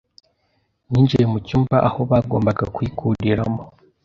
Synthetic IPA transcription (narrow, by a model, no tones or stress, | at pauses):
ɲiːnd͡ʒejemucuːmbaʔaho̞βaɡo̞ːmbaɡakwikʰuɾiɾamo